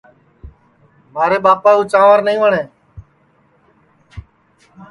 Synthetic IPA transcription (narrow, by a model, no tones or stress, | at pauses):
maːɾeːɓaːpaːuːt͡ʃãːʋaːɾnəĩːʋəɳeː